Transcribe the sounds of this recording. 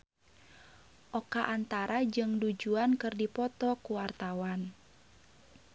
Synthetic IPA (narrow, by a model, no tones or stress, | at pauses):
ʔɔkaʔant̪aɾad͡ʒɨŋdud͡ʒuankɨrdipɔt̪ɔkuwart̪awan